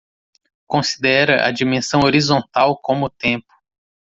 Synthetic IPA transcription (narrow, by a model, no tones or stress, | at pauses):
kõsi̥d̪ɛɾɐʔɐ̰d͡ʒimẽsɐ̃w̃oɾizõnt̪awkõmʊt̪ẽpʊ̥